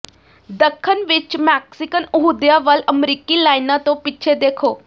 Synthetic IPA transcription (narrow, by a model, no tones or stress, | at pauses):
d̪əkʰːənʋɪt͡ʃmɛːksɪkənʊɦud̪jaʋələmɾiːkilaːɪnãt̪õpɪːt͡ʃʰed̪eːkʰoː